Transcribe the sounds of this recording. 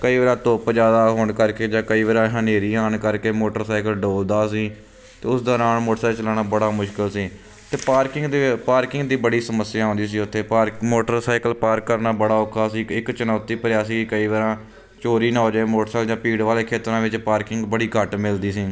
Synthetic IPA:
kəiːʋaːɾãːt̪opd͡ʒaːd̪aːɦoːɳkəɾkeːd͡ʒãːkəiːʋəɾãːɦə̃neːɾiːaːnkəɾkeːmoːʈəɾsaːɪkəlɖoːld̪aːsiː | t̪eːʊsd̪ɔːɾaːnmoːʈsɛːlt͡ʃəlaːnaːbəɽaːmʊʃkɪlsiː | t̪eːpaːɾkɪŋɡ̪paːɾkɪŋɡd̪iːbəɽiːsəməsɪjãːɦõːnd̪iːs̬iːʊt̪ʰːeːɾmoːʈəɾsaːɪkəlpaːɾkːəɾnaːbəɽaːʊkʰːaːsiːɪkt͡ʃənaːt̪iːpəɾjaːsiːkəiːʋaːɾãː | t͡ʃoːɾiːnaːɦoːd͡ʒaːeːmoːʈsɛːld͡ʒãːpiːɽʋaːleːkʰeːt̪ɾãːʋɪt͡ʃpaːɾkɪ̃ŋɡbəɽiːkəʈmɪld̪iːsiː

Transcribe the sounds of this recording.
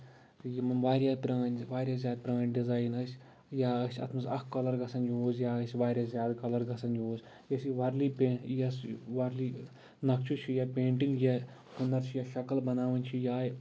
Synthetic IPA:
jimɐnʋaːɾʲjaːpʲɾãːnʲʋaːɾʲjaːzʲjaːd̪̚pʲɾãːnʲɖizaːjnɐsʲ | jaːɐsʲʰɐ̰t̪ʰmɐzɐkkːɐlɐɾɡɐsɐnjoːzjaːɐsʲʋaːɾʲjazʲjaːd̪kɐlɐɾɡɐsɐnjoːzʲ | jɐsiʋɐɾlipeːjɐsʋɐɾliː | nɐkt͡ʃʰut͡ʃʰijapeːɳʈiŋɡja | hunːɐɾt͡ʃʰijaʃɐkɐlbɐnaːʋɐnʲt͡ʃʰijaːj

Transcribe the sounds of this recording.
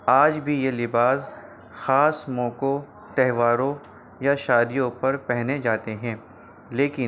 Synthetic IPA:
aːd͡ʒbʱijelɪbaːs | xaːsmɔ̃ːko | t̪ɛɦʋaːɾõ | jaʃaːd̪ijõpɐɾpɛɦned͡ʒaːt̪eɦɛ̃ː | leːkɪ

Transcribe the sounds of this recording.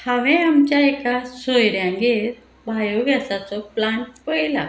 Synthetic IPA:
haʋẽamt͡ɕjaekasojɾjãŋɡeɾ | bʱajoɡʱjasat͡sɔplaɳʈ̚pəjla̰

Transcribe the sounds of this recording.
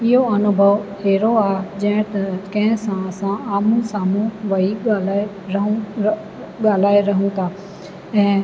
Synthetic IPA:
ɪɦoɐnʊbʱəʋheːɾoaːɦd͡ʑɐ̃ɦɪ̃t̪ɐkɐ̃ɦɪ̃sãɐsãaːmũsaːmũʋɐiɠaːlaːe | ɾɐɦũ | ɠaːl̤aːeɾɐɦũt̪ʰaː | ɛ̃ː

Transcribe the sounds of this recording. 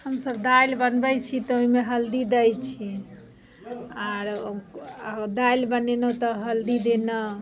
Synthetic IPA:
həmsəbd̪ailbənbɛt͡ʃʰit̪ɔoɦimeɦəld̪id̪ɛjt͡ʃʰi | aɾ | d̪ailbənenət̪ɔɦəld̪id̪enə

